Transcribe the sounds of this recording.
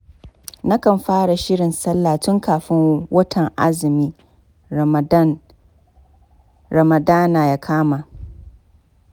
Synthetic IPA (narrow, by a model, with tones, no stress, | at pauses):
na˦kɐ˨mɸaː˦ɽa˨ʃɪ˦ɽɪ˨nsɐ˦lːaː˨tʊ˦ŋkʰaː˨ɸɪ˦ŋwɐ˦tʰɐ˨ŋʔa˦zɪ˨miː˦ | ɾɐ˨mɐ˨daː˦naː˨ja˦kʰaː˦ma˨